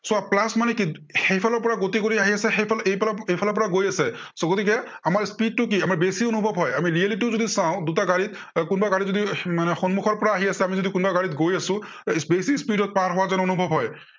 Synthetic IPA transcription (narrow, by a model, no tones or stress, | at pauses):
sʊaplasmanɛkixejpʰalɔɹpɔɹaɡot̪ik̬oɹiaɦiasɛxeplejpejpʰalɔpɔɹaɡojasɛsɔɡot̪ikɛ | amaɹspid̚tʊk̬iamaɹbesionubʱɔbɦɔjamiɹialiʈiʊzod̪isãʊ̃dutaɡaɹit̪̚ | kʊnbaɡaɹitzod̪imanɛxɔnmukʰɔɹpɔɹaːɦiasɛamizod̪ikʊnbaɡaɹit̪ɡojasʊ̃ | sbesispiɖɔt̪̚paɹɦɔwazanonubʱɔbʱɦɔj